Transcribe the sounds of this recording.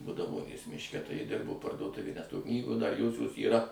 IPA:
bʊdɐˈʋoːnʲeːs mʲɪʃʲˈkʲɛ tɐɪ ˈjɪ ˈdʲɪrboː pɐrduɔˈtʊʋʲeːj nʲɛs ˈtoː ˈknʲiːɡoː dɐr ˈjoːsʲoːs iːˈrɐ

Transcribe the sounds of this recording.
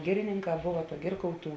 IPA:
ˈɡʲɪrʲɪnʲɪŋˌkɑː ˈboːʋɐ ˈɡʲɪrkɐʊˌtuː

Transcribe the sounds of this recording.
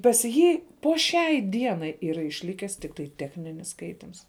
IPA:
pɐs ˈjiː poː ˈʃʲɛɪ ˈdʲiɛnɐɪ iːˈrɐ ɪʃʲˈlʲɪkʲæːs tʲɪkˈtɐɪ ˈtʲæːxʲnʲɪnʲɪs ˈskɐɪtʲɪms

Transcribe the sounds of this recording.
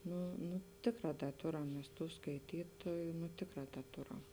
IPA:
ˈnʊ nʊ ˈtʲeːkˌrɑː ˈdɐ ˈtoːrɐm ˈmʲɛs ˈtuː skɐɪˈtʲiːtoːjʊ nʊ ˈtʲeːkˌrɑː ˈdɐ ˈtoːrɐm

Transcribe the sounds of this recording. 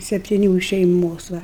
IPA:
sʲɛpʲtʲɪˈnʲuː ɪʃ ʃʲɛɪˈmoːs ˈʋɐ

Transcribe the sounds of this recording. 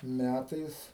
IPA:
ˈmʲætɐɪs

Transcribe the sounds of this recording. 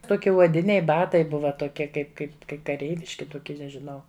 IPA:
ˈtoːkʲɪ uɔˈdʲɪnʲɛɪ ˈbɑːtɐɪ ˈbʊʋɐ toːˈkʲiɛ ˈkɐɪp ˈkɐɪp kɐɪ kɐˈrʲɛɪʋʲɪʃʲkʲɪ tʊˈkʲiɛ nʲɛʒʲɪˈnɐʊ

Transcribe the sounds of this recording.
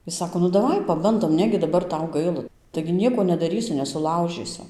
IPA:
ˈjɪs ˈsɑːkoː nʊ dɐˈʋɐɪ pɐˈbɐndoːm ˈnʲæːɡʲɪ dɐˈbɐr ˈtɐʊ ˈɡɐɪlˠɐ tɐɪɡʲɪ ˈnʲiɛkoː nʲɛdɐˈrʲiːsʲʊ nʲɛsʊˈlˠɐʊʒʲiːsʊ

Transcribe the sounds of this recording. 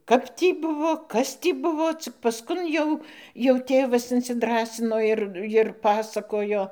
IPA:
ˈkɐp tʲiː ˈbʊʋoː ˈkɐs tʲiː ˈbʊʋoː ˈt͡sʲɪk pɐsˈkʊn jɛʊ jɛʊ ˈtʲeːʋɐs ɪnʲsʲɪˈdrɑːsʲɪnoː ɪr ɪr ˈpɑːsɐkoːjoː

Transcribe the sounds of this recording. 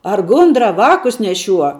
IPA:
ɐr ˈɡʊndrɐ ˈʋɑːkʊs nʲɛˈʃʲuɔ

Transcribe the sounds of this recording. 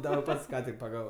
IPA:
dɐˈbɐr ˈpɐts ˈkɑː tʲɪk pɐˈɡɑːʋoː

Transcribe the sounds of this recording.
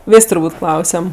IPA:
ˈʋʲeːsʲ tʊrˈbuːtʲ ˈklˠɐʊsʲɛm

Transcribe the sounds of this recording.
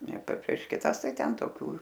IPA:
nʲɛ pʲɛ pʲrʲiɛʃ kʲɪˈtɐs ˈtɐɪ ˈtʲɛn toːˈkʲuː

